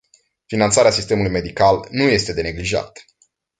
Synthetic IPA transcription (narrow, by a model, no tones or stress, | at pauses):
finant̪saɾeasist̪e̞mulujme̞d̪ikalnuje̞st̪e̞d̪e̞ne̞ɡliʒa̰t̪